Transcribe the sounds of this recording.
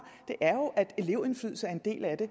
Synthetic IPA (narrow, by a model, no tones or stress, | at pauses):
d̥e̝ʔæɐjo̝ʔæd̥e̝le̝ʊən̩flyð̰l̩sæɐe̝nd̥e̝̰ːlæd̥e̝